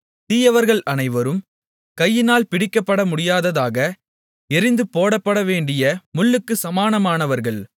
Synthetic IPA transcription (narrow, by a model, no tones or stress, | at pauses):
t̪iːjɐʋɐɾɣɐɭɐnɐɪʋɐɾɯm | kɐjːɪnaːlpɪɽɪkːɐpːɐɽɐmʊɽɪjaːðɐðaːɣɐ | ɛɾɪnd̪ɯpoːɽɐpːɐɽɐʋeːɳɖɪjɐmʊlːɯkːɯsɐmaːnɐmaːnɐʋɐɾɣɐɭ